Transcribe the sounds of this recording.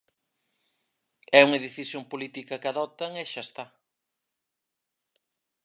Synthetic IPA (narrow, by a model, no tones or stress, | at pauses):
ɛuŋɐðeθisjoŋpolit̪ikɐkaðɔt̪ɐŋeʃast̪a